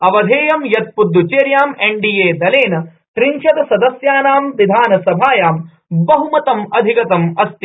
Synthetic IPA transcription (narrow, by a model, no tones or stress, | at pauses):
ɐʋɐd̪ʱeːjɐmjɐt̪̚pud̪ːut͡ʃeːɾjaːmeɳɖiːjeːd̪ɐleːnɐ | t̪ɾinʃɐd̪ɐsɐd̪ɐsjaːnaːmʋid̪ʱaːnɐsɐbʱaːjaːm | bɐɦumɐt̪ɐmɐd̪ʱikɐt̪ɐmɐst̪i